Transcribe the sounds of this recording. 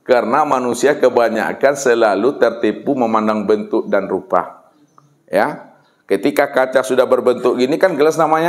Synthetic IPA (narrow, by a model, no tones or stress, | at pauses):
kərnamanusiakəbaɲa̰kansəlalut̪ərt̪ipuməmandaŋbənt̪ʊk̚danrupa̰ | ja | kət̪ikakat͡ʃasudahbərbənt̪ʊk̚ɡinikanɡəlasnamaɲa